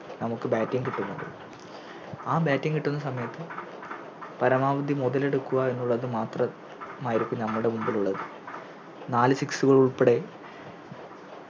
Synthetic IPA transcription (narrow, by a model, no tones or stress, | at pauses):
nɐmukːɨbaːtːiŋkiʈːunːɐðɨ̰ | aːbaːtːiŋkiʈːunːɐsɐmɐjɐt̪ːɨ | pɐɾɐmaːʋɐd̪ʱimuðɐle̞ɽukːuɣae̞nːuɭːɐðɨmaːt̪rɐ | maːjiɾukːumnɐmːuɽe̞mumbiluɭːɐðɨ | naːlɨsiksuɣɐɭuɭpeɽe̞